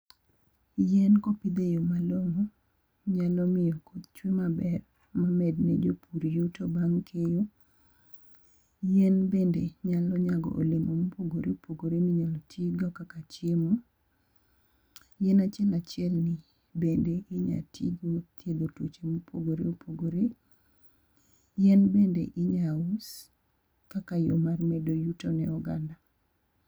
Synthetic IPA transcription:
jɛnkopid̪ejomaloŋo | ɲalɔmɪjɔkod̪t͡ʃwimabɛr | mamɛdnɛ̰d͡ʒopʰuɾijutobaŋkʰejo | jɛnbendeɲalɔɲaɡɔ̰ʔo̰lemomupoɡoɾeopʰoɡoɾemiɲalɔtʰiɡɔkakat͡ʃjemo | jɛnat͡ʃɪɛlat͡ʃɪɛlnɪ | bendeʔɪɲa̰tʰḭɡot̪ʰjed̪otot͡ʃemopʰoɡoɾḛopʰoɡoɾe | jɛnbendḛʔɪɲaos | kakajo̰marmɛdojutonɛɔɡanda

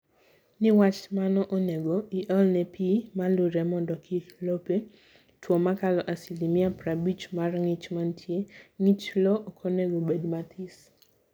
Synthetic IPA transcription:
nɪwat͡ʃmanɔʔoneɡoiʔɔlnɛpʰimalʊɾɛmɔndɔkʰɪlope | twɔmakalɔʔasilimiaprabit͡ʃmarŋit͡ʃmantʰjeŋit͡ʃlɔʔkʰoneɡobedmat̪ʰis

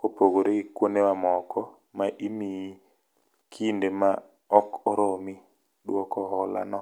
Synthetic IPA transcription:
kopoɡoɾeɡɪkwonewamɔkʰɔ | maʔimi | kʰindema | ɔkɔɾomi | ɗwɔkɔɦɔla̰nɔ

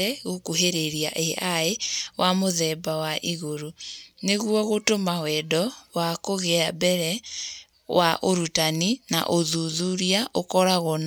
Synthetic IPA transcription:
ɛɣokuɦeɾeɾia̰ʔeʔaewʔamoðɛbawaʔiɣoɾoneɣwɔɣotomawɛdɔwakoɣɛabɛɾɛ | waʔoɾutanina̰ʔoðuðuɾiaʔokɔɾaɣɔn

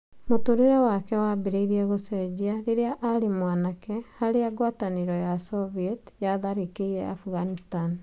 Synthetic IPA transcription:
motoɾeɾɛwakɛwabeɾeiɾiɛɣosɛd͡ʑiaɾeɾeaʔalimwanakɛhaɾeaɡwataniɾɔjasɔviɛtjaðaɾikeiɾɛ̰a̰fuɣanistan

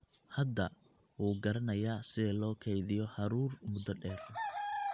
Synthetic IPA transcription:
hɐd̪ɐ | wuːɡɐɾɐnɐjaːsɪðɛlɔːkʰɛjðɪjɔhɐɾuːrmʊd̪ɔɖɛːrɔ

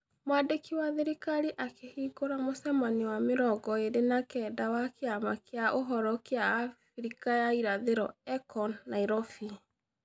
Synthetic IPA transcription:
mwadekiwaðeɾikaɾiʔakehiɡoɾamosɛmaniwameɾɔɡɔeɾenakɛːdawakeamakjaʔoɦɔɾɔkeaːfɾikajaiɾaðeɾɔɛkɔnːaiɾɔfi

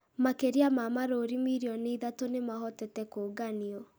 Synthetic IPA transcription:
makeɾiamamaɾoɾimiɾiɔniiðatonemaɦɔtɛtɛkoɡaniɔ

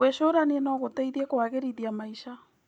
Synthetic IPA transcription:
eʃoɾaniɛnɔɣotɛiðiɛkoaɣeɾiðiamaiʃa

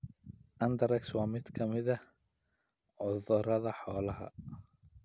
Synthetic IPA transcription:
ʔɐnd̪ɐɾɛkswɑːmɪd̪kʰɐmɪðɐ | ʕʊðʊɾɐðɐħɔːlɐɦɐ̰

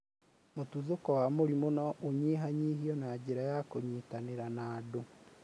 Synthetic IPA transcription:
motuðokɔwamoɾimonɔʔoɲeɦaɲiɦiɔnaɟeɾajakoɲitaneɾanaːdo

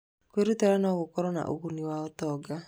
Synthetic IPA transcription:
kweɾutɛɾanaɣokɔɾɔna̰ʔo̰ɣuniwaɔtɔɡa

